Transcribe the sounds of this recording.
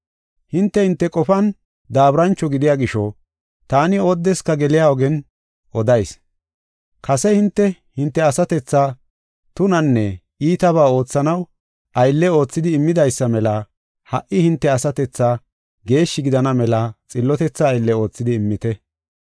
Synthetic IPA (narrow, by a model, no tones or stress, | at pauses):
hɪnt̪ːɛhɪnt̪ːɛkʼɔfɐn | d̪aːbɾɐnt͡ʃːɔɡɪd̪ɪjaːɡɪʃɔ | t̪aːnɪod̪ːɛskɐɡɛlɪjaːɔɡɛn | ʔɔd̪ɐjs | kʰɐsɛhɪnt̪ːɛ | hɪnt̪ːɛɐsɐt̪ɛt͡sːaː | t̪ʊnɐnːɛ | iːt̪ɐβaːo̞ːt͡sːɐnɐw | ɐjlːɛo̞ːt͡sːɪd̪ɪːmːɪd̪ɐjsːɐmɛlɐ | hɐʔːɪhɪnt̪ːɛɐsɐt̪ɛt͡sːaː | ɡe̞ːʃːɪɡɪd̪ɐnɐmɛlɐt͡sʼɪlːɔt̪ɛt͡sːɐːjlːɛo̞ːt͡sːɪd̪ɪɪmːɪt̪ɛ